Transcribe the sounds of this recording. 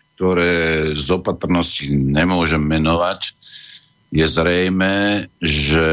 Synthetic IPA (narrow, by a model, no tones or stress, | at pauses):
k̚t̪ɔɾɛːzɔpat̪r̩nɔsciɲɛmʊɔʒɛmːɛnɔʋac | jɛzɾɛjmɛːʒɛ